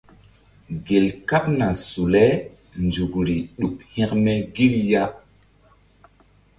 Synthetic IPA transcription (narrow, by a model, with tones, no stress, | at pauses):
ɡe˨lka˦p̚na˨su˨le˦ | nd͡ʒu˨kɾi˨ɗu˨khɛ̃˦kmɛ˦ɡi˦lja˦